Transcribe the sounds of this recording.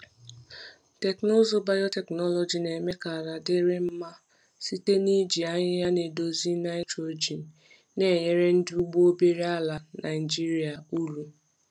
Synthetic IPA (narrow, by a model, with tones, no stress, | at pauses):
tɛ˨kno˦zo˦ba˦jo˦tɛ˨knɔ˦lo˨d͡ʒi˨ne˨me˦ka˨ɾa˨dɪ˦ɾɪ˦m̩˦ma˦ | si˦te˦ni˦d͡ʒi˨a˦ɲɪ˦ja˦ne˨do˨zi˦na˦ɪ˦to˨d͡ʒi˨n̩˨ | ne˨˦˨je˦ɾe˦n̩˦dɪ˦u˦ɡ͡bo˦o˦be˦ɾi˦a˦la˨na˨ɪ˨d͡ʒi˦ɾi˨˦a˨u˦lu˨